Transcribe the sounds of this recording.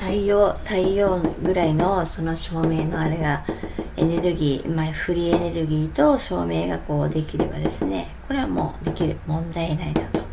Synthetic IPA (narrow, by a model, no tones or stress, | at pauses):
t̪aijoːt̪aijoːɡɯ̟ɾaino̞so̞no̞ɕo̞ːme̞ːno̞aɾe̞ɡae̞ne̞ɾɯ̟ɡʲiːmaɸɯ̟ɾʲiene̞ɾɯ̟ɡʲiːt̪o̞ɕo̞ːme̞ːɡako̞ːd̪e̞kʲiɾe̞̰ba̰d̪e̞sɨne̞̰ko̞ɾe̞βamo̞̰ːd̪e̞kʲiɾɯ̟mõ̞nd̪aienaid̪at̪o̞̥